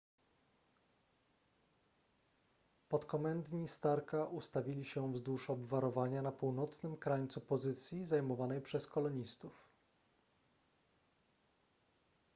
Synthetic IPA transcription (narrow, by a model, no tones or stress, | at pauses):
pɔt̪kɔmɛnd̪ɲist̪aɾkaʔust̪avʲilʲiɕɛvzd̪uʂɔbvaɾɔvaɲanapuwnɔt̪snɘmkɾaɲt̪supɔzɘt̪sʲjizajmɔvanɛjpʂɛskɔlɔɲist̪uf